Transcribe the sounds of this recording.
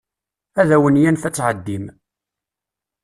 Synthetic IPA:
æðæwənjænθæt͡sːʕəd̪ːim

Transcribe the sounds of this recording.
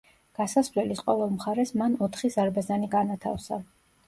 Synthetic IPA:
ɡ̥asasvlɛlisqʼɔvɛlˠmχaɾɛsmanɔt̪ʰχizaɾbazaniɡanat̪ʰa̰fsa̰

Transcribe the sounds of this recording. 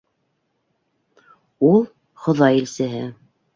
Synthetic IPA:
ulˠ | χŏðɑjilsɘ̆ɦɘ

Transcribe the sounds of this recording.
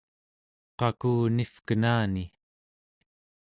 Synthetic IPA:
qɑkuːnifkənaːni

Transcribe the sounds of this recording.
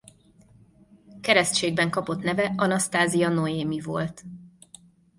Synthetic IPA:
kɛɾɛst̪t͡ʃeːɡ̚bɛŋkɒpo̞t̪nɛvɛɒnɒst̪aːziɒnoeːmivo̞̰lt̪

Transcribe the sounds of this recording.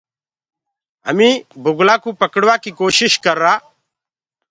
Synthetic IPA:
ɦə̰mĩːbʱʊɡlaːkuːpəkəɽʋaːkiːkoːʃɪʃkəɾːaː

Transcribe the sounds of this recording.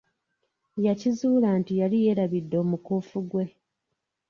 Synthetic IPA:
jacizuːlaːntijalije̞ːɾaβidːo̞ːmukuːfuɡwe̞

